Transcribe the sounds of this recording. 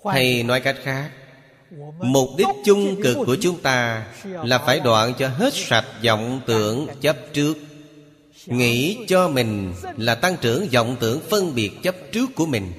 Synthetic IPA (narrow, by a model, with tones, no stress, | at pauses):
t̪ʰa˧jnɔ˨˦jka˦˥jk̟̚xaː˦˥k̚ | mo˨˩k͡p̚ɗi˦˥t̚t͡ɕʊ˧ŋ͡mkɨ˨˩kːu˧˩ət͡ɕʊ˨˦ŋ͡mt̪aː˧laː˨˩faː˧˩jɗwa̰ː˧˨nt͡ɕɔ˧ɦe˦˥t̚sa˨˩t̚zɔ̰˧˨wŋ͡mt̪ɨ̰˧˩əŋt͡ɕə˦˥p̚t͡ɕɨ˦˥ək̚ | ŋḭ˧˥t͡ɕɔ˧mï˨˩ŋ̟laː˨˩t̪a˧ŋt͡ɕɨ˧˩əŋzɔ̰˧˨wŋ͡mt̪ɨ̰˧˩˨əŋfə˧nɓi˨˩ət̚t͡ɕə˦˥p̚t͡ɕɨ˦˥əkːu˧˩əmï˨˩ŋ̟